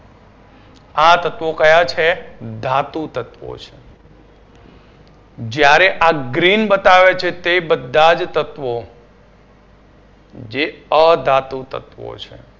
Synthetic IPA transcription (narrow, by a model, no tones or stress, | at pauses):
at̪ət̪ʋokəjat͡ʃʰed̪ʱat̪ut̪ət̪ʋo̰t͡ʃʰe | d͡ʒjaɾeʔaɡɾinbət̪aʋet͡ʃʰet̪ebəd̪ʱːad͡ʒt̪ət̪ʋo | d͡ʒeəd̪ʱat̪ut̪ə̰t̪ʋo̰t͡ʃʰḛ